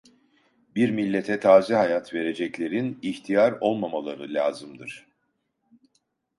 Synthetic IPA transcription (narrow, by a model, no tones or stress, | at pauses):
biɾmilʲːet̪ʰɛt̪ʰaːzɛɦajat̪ʰve̞ɾe̞d͡ʒɛclʲe̞ɾiniçt̪ʰijaɾo̞lˠmamalˠaɾɯlʲaːzɯmd̪ɯɾ̥